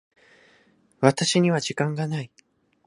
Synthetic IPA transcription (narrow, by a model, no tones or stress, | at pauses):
βat̪aɕiɲ̟iβaʑikãŋɡanai